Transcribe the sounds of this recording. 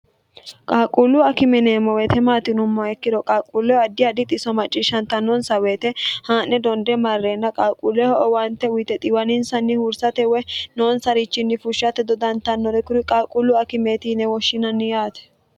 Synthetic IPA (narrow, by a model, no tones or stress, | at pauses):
kʼaːkʼulːʊɐkɪmɛnɛːmɔweːt̪ʰɛmaːt̪ɪnʊmːɐɛkːɪd̪ɔkʼaːkʼːulːɔɐd̪ːɪɐd̪ɪt̪ʼɪsɔmɐt͡ʃʼːɪʃːɐnt̪ɐnːɔnsɐweːt̪ɛhaːnːɛd̪ɔnd̪ɛmɐrːeːnːɐkʼaːkʼulːɛhɔʔɔwɐnt̪ɛwʊt̪ɛt̪ʼɪwɐnɪnsɐnːɪhʊɾsɐt̪ɛwɛno̞ːnsɐɾɪt͡ʃːɪnːɪfʊʃːɐt̪ɛd̪ɔd̪ɐnt̪ɐnːɔɾɛkʊɾɪkʼaːkʼulːʊɐkɪmeːt̪iːnɛwɔʃːɪnɐnːɪjaːt̪ɛ̥